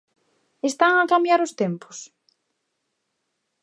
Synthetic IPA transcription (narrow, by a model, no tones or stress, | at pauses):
est̪aŋakambjaɾʊst̪empʊ̥s